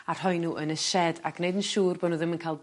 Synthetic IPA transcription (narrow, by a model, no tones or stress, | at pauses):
ar̥hɔjnuʔənəʃɛda̰kneɨdənʃuːrbɔnuðɪmənkʰaːlˠ